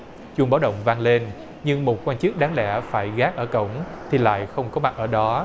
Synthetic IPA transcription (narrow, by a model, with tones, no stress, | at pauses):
t͡ɕu˧˩ɓaː˨˦wɗə̰˧˨wŋ͡mvaː˧ŋle˧n | ɲɨ˧ŋmo˨˩t̚kwaː˧nt͡ɕɨ˦˥k̚ɗaː˨˦ŋɗɛ˧˩faː˧˩jɣaː˨˦˥k̚ʔəː˧˩kə̰˧˩˨wŋ͡mt̪ʰi˨˩la̰ː˧˨jxə˧wŋ͡mkɔ˨˦ma˨˩t̚ʔəː˧˩ɗɔ˨˦